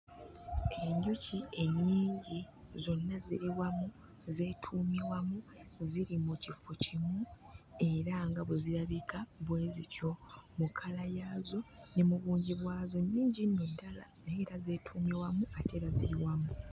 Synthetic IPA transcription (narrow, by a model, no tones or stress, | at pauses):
e̞ɲɟucʰie̞ɲːiːɲɟi | zo̞nːazḭɾiwamu | ze̞ːtʰuːmiwamuziɾimucifocimu | e̞ɾaŋɡaβweziɾaβikaβwe̞ːzico̞mukʰalajaːzo̞nemuβuːɲɟiβwaːzo̞ɲːiːɲɟinːodala̰neːɾaze̞ːtʰuːmiwamuatʰe̞ɾazḭɾiwamu